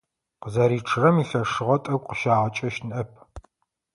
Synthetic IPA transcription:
qəzɐɾiːʈ͡ʂʰɨrɐmiːɬɐʂɨʁɐtʼɐɡʷqəʃaːʁɐt͡ʃʼɐʃnʔɐpʰ

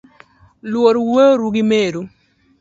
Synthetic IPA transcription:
lwoɾwəɾuɡɪmeɾu

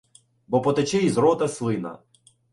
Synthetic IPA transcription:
bɔpɔt̪ɐt͡ʃɛjizɾɔt̪ɐslˠɪnɐ̰

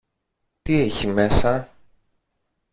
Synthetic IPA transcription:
t̪ieçime̞sɐ

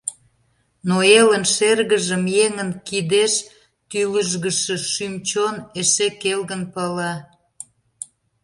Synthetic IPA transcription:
noelənʃerɣəʒəmjeŋənkid̪eʃ | t̪yləʒɣəʃə̆ʃymt͡ɕoneʃekelɣənpɑlɑ

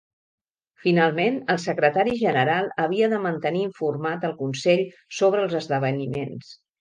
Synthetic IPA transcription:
finalˠmenəlˠsəkɾət̪aɾiʒənəɾalˠəβiəðəmənt̪əniːɱfurmat̪əlˠkunsɛʎ | soβ̞ɾəːlˠzəzðəβ̞ənimens

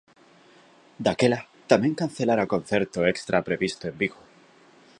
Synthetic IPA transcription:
d̪ake̞la | t̪amje̞ŋkan̟θe̞laɾako̞n̟θe̞ɾt̪oe̞kst̪ɾʔapɾe̞βist̪oe̞mbiɣo

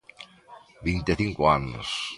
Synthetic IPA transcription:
bint̪eθiŋkʊanʊ̰s

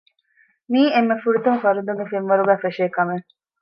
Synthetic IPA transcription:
miːemːefuɾut̪umfɐɾud̪uŋɡefenʋɐɾuɡæːfeʃeːkɐme

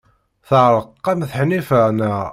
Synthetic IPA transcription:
θəʕɾˤəqːɑmθħnifəʁnæ

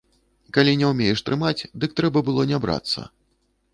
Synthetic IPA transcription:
kalʲinʲɛwmʲejɛʂt̪ɾɨmat͡sʲd̪ɨk̚t̪ɾɛbɐbɨlˠɔnʲabɾa̰t̪sːɐ̰

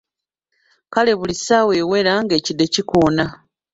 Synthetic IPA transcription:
kale̞βulisawe̞ːwe̞ːɾaŋɡe̞ːcidːe̞cikoːna

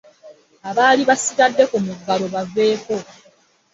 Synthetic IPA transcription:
aβaːliβasitadːe̞kumuɡːalo̞βavːe̞ːko̞

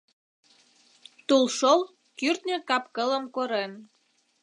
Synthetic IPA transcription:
t̪ulʃol | kyrt̪nʲĕkɑpkələmkoɾen

